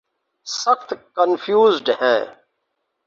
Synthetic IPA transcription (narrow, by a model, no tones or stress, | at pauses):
səxt̪kənfʰjuːzɖɦɛ̃ː